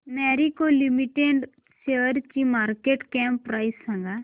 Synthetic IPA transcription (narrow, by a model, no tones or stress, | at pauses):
mɛːɾikolimiʈeɖ | seəɾt͡ʃimaːɾkeːʈkɛmpːɾaːisːãŋɡa